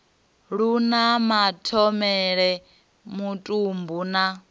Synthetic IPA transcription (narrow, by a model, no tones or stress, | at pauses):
ɺunamatʰɔmɛɺɛ | mutʼumbuna